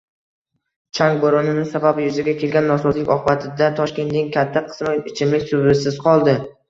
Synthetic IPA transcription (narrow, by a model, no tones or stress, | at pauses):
t͡ʃʰaŋɡboɾɒnɪnɪsababjʊzɪɡʲakʲʰe̞lɡʲanːɒsɒzlˠɪkʲɒqbat̪ʰɪd̪at̪ʰɒʃkʲe̞nt̪nɪŋkʲʰat̪ʰːaqʰɨ̥smɪt͡ʃʰɪmlɪkʲsʊbɪsɪz̥qʰɒlˠd̪ɪ